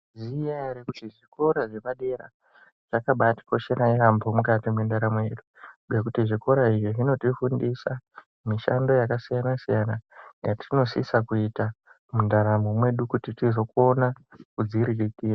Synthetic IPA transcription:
zijaeɾekutiʐiko̞ɾaʐeʋaɗe̞ɾa̰ | ʐakaɓati̥ko̞ʃeɾairambomukatimwe̞ndaɾamoje̞ɗuek̬utiʐiko̞ɾaiʐiʐino̞tifundisa | miʃa̰ndo̞jakasijanasijanajatʰino̞sḭsakuita | mundaɾamo̞mwe̞ɗukutitizo̞ko̞nakud͡ziɾirikiːra

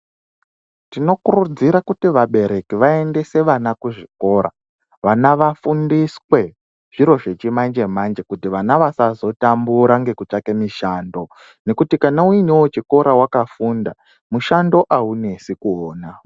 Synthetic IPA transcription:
tino̞kurud͡ziɾakutiʋaɓe̞ɾe̞kiʋae̞nde̞se̞ʋanakuʐiko̞ːɾa̰ | ʋanaʋafundiswe̞ | ʐ̥iɾo̞ʐe̞t͡ʃimand͡ʒe̞mand͡ʒe̞kutiʋanaʋasazo̞tambuɾaŋɡe̞kut͡ʂake̞miʃaːndo̞ | ne̞kutikanauinewot͡ʃiko̞ɾʔawakafunda | muʃandoʔaune̞sikuoːna

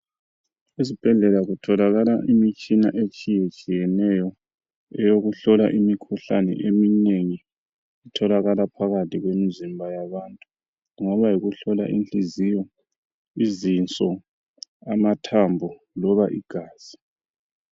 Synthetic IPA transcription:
isib̥ʱɛɮɛlaɣutʰɔlaɣalaʔimit͡ʃʼina̰ʔet͡ʃʼijet͡ʃʼijɛnɛjɔ | ɛjoɣuɬɔla̰ʔimikʰuɬa̰nɛ̰ʔemineŋi | itʰɔlaɣalapʰaɣatʰʼiɣwemizimbʱajaβantʼu | uŋɔβajiɣuɬɔla̰ʔḭnt͡ɬʼizijɔ | izint͡sʼɔ | amatʰambʱɔ | lɔβaʔiɡ̥ʱaːz̥i

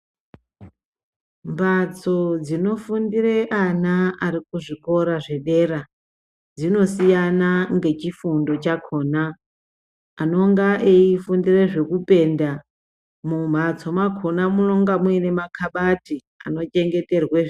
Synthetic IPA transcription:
mbat͡so̞d͡zino̞fundireʔanaaɾikuʐiko̞ɾaʐe̞ɗe̞ɾa | d͡zino̞sijanaŋɡe̞t͡ʃifundo̞t͡ʃakʰo̞ːna | no̞ŋɡaʔeifundireʐe̞kupe̞ːnda | mumat͡so̞makʰonamuno̞ŋɡamwene̞makʰaɓati | a̰no̞t͡ʃe̞ŋɡe̞te̞rweʐ

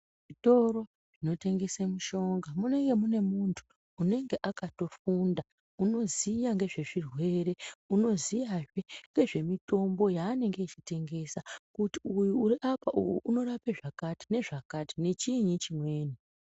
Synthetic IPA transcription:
ʐito̞ɾo̞ | ʐino̞te̞ŋɡe̞semuʃo̞ŋɡamune̞ŋɡe̞mune̞muntʰu̥ː | ne̞ŋɡe̞ʔakato̞funda | uno̞zijaŋɡe̞ʐe̞ʐirwe̞ɾe̞uno̞zijaʐeŋɡe̞ʐe̞mito̞mbo̞jaːne̞ŋɡe̞it͡ʃite̞ŋɡe̞sakutiujuːɾiʔapaʔujuʔuno̞rapeʐakati̥ne̞ʐakati̥ne̞t͡ʃiɲit͡ʃimwe̞ːni

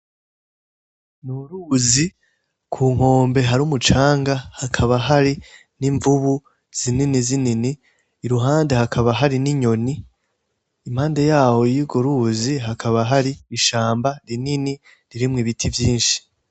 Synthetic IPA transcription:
nuɾuːzi | kʰuːŋ̥o̞ːmbe̞ɦaɾumut͡ʃaːŋɡahakʰaβaɦaɾi | niɱvuβu | z̥ininizininiː | ɾuɦaːnde̞hakʰaβaɦaɾiniɲo̞niː | m̥haːnde̞jaːwo̞jiɡoɾuziɦakʰaβaɦaɾiːʃaːmbaɾinini | ɾiɾimŋiβitʰivjiːnʃi̥

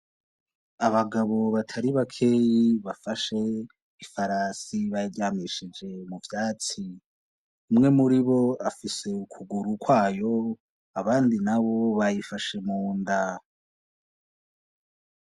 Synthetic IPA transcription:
aβaɡaβo̞βatʰaɾiβakʰe̞jiβafaʃe̞ | ifaɾasiβajiɾɟaːmiʃid͡ʒe̞muvjaːt͡si | umŋe̞muɾiβo̞afise̞ukʰuɡuɾukʰwaːjo̞ | aβaːndinaβo̞βajifaʃe̞muːnda

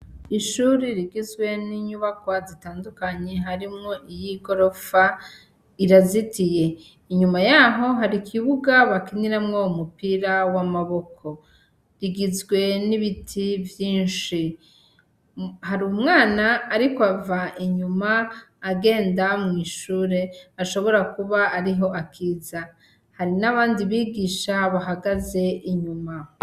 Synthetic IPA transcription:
iʃuɾiɾiɡizɡwe̞niɲuβakwazitaːndukaɲe̞ɦaɾimŋoʔijiɡo̞ɾo̞fa | iɾazitije̞ | iɲumajaɦo̞ɦaɾikʰiβuɡaβakiniɾamŋoumupiɾawamaβo̞kʰo̞ | ɾiɡizɡwe̞niβitʰivjiːnʃi | haɾumŋaːnaːɾikoavaʔiɲumaː | ɡe̞ːndamŋiːʃuːɾe̞aʃo̞βo̞ɾakuβaːɾiɦo̞ʔakʰiːza | haɾinaβaːndiβiːɡiʃaβaɦaɡaze̞ʔiɲuma

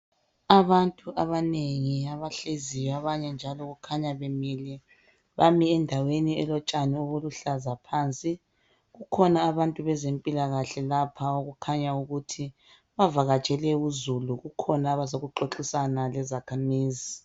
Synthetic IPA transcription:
aβantʼuʔaβaneŋiaβaɬezijaβaɲɛnd͡ʒʱalɔɣukʰaɲaβemili | βamiɛndʱaweniɛlɔt͡ʃʼanioβuluɬazapʰaːnt͡sʼi | ɣukʰɔnaːβantʼuβɛzempʼilaɣaɬɛlapʰaoɣukʰaɲauɣutʰi | βavaɣat͡ʃʼɛlɛuzuluɣukʰɔnaβasoɣuǃoǁisanalɛzakʰamiːzi

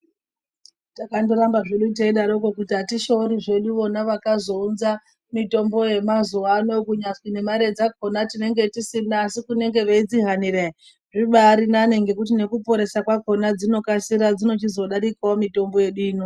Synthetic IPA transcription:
takandoɾambaʐeɗuteiɗaɾokokutiɦatiʃo̞ɾiʐe̞ɗuʋo̞naʋakazo̞unza | mito̞mbo̞je̞mazuʋano̞kuɲat͡swine̞maɾe̞d͡zako̞natine̞ŋɡe̞tisinaːsikune̞ŋɡe̞ʋeid͡ziɦanire | ʐiɓaɾinane̞ŋɡe̞kut̬ine̞kupo̞ɾe̞sakwako̞nad͡zino̞kasiɾad͡zino̞t͡ʃizo̞ɗaɾikaomito̞mbo̞je̞ɗiːno

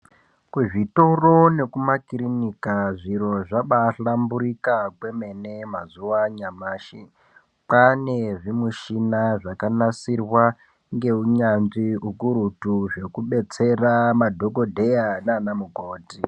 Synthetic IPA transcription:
kuʐito̞rone̞kumakiɾinikaʐiɾo̞ʐaɓaɬambuɾikakwe̞me̞nemazuwaɲamaːʃi | paneʐimuʃinaʐakanasirwa | ŋɡe̞uɲanʐiukuɾutuʐe̞kuɓe̞t͡se̞ramadʱo̞ko̞dʱe̞janaaːnamuɡʱoːti

